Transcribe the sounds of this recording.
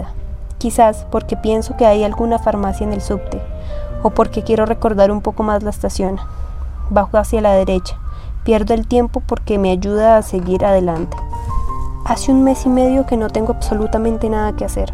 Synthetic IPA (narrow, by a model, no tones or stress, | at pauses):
a | kisaspo̞ɾke̞pje̞nso̞ke̞ajalɡunafaɾmasjaene̞lsupt̪eopo̞ɾke̞kje̞ɾo̞re̞ko̞ɾðaɾumpo̞ko̞mazlaest̪asjo̞n | baxoasjalað̞e̞ɾe̞t͡ʃḁ | pje̞ɾðoelt̪je̞mpo̞po̞ɾke̞me̞aʝuðaːse̞ɣiɾaðe̞lant̪e̥ | asiunme̞sime̞ðjo̞ke̞no̞t̪e̞ŋɡoaβso̞lut̪amẽ̞nt̪e̞naðake̞ase̞ɾ